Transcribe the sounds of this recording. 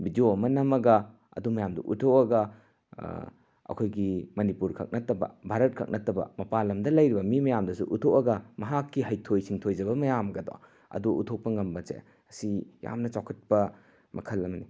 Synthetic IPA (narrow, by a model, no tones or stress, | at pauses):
bid͡ʒoɐmɐnɐmɐɡɐ | ɐ̰dumɐjamduʔutʰokɐɡɐ | ɐ̰kʰojɡimɐnipuɾkʰɐ̰k̚nɐtɐbɐ̰bʱaɾɐt̚kʰɐk̚nʔɐtɐbɐ̰mɐpalɐmdɐlɐjɾibɐmimɐjamdɐsṵʔutʰowɐɡɐmɐɦakːiɦɐjtʰojsiŋtʰojd͡ʒɐbɐmɐjamɐɡɐdo̰w | ɐ̰duutʰok̚pɐŋɐmbɐt͡ʃḛ | ɐsija̰mnɐt͡ʃawkʰɐt̚pɐ | mɐkʰɐlɐmɐni